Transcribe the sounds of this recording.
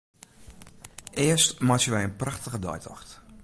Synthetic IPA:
ʔɪəstmasjəʋɛjənpraxtəɣədɔ̰jtʰɔxt

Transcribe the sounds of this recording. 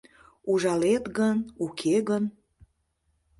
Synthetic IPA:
uʒɑlet̪ɣənukʰeɣən

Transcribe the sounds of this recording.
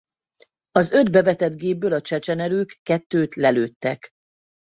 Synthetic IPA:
ɒzø̞d̪bɛvɛt̪ɛd̪ɡeːb̚ːøːlɒt͡ʃɛt͡ʃɛnɛɾøːkːɛt̪ːøːt̪lɛløːt̪ːɛk

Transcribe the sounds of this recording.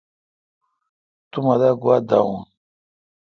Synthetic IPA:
t̪umad̪aɡuad̪a̰ũn

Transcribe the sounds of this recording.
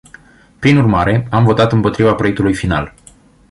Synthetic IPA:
pɾinurmaɾe̞amvo̞t̪at̪ɨmpo̞t̪ɾivapɾo̞e̞k̚t̪ulujfina̰l

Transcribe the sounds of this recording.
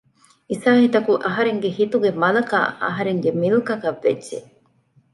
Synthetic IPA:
isaːhit̪ɐkuʔɐɦɐɾeŋɡehit̪uɡemɐlɐka̰ːɐ̰ɦɐɾeŋɡemilukɐkɐʋːḛdːʒe

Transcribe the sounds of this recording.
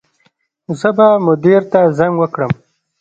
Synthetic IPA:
zəbamʊd̪iɾt̪azaŋɡwəkɽəm

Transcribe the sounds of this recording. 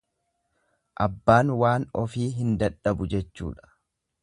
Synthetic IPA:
ʔɐbːaːnwaːnɔfiːɦɪnd̪ɐᶑːɐbʊd͡ʒɛt͡ʃːṵːᶑɐ̥

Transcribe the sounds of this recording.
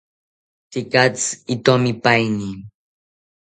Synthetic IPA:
t̪ikat͡sit̪omipajni

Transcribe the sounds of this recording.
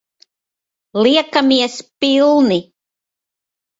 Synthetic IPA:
liakamiəspilni

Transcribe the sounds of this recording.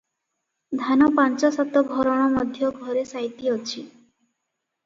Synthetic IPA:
d̪ʱanɔpant͡ʃɔsɔt̪ɔɡʱɔɾɔɽ̃ɔmɔd̪ʱjɔɡʱɔɾesajt̪iɔt͡ʃʰi

